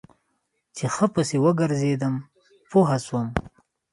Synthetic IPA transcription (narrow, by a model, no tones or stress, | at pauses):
t͡ʃexəpəsewəɡəɾzed̪əm | poɦaswəm